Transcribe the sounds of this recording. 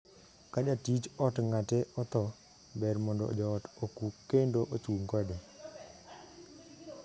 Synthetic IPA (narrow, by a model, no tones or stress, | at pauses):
kad͡ʒatit͡ʃɔtŋatɛɔt̪ɔ | bɛrmɔndɔɔ̰d͡ʒɔːtokukːendoʔot͡ʃuŋɡɔde